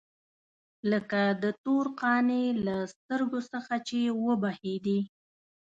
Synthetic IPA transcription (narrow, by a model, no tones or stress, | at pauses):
ləkad̪ət̪oɾqɑnelast̪əɾɡosəxat͡ʃewəbahed̪i